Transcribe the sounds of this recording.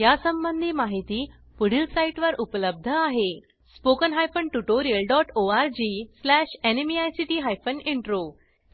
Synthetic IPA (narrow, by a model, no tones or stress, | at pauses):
jasəmbənd̪ʱiːmaɦit̪iː | puɽ̤ilsaiʈʋəɾʔupələb̚d̪ʱəaɦe | spokənɦajfənʈuʈoɾiəlɖɔʈoaɾd͡ʑislæɕenemiajsiʈiːɦajfəniɳʈɾo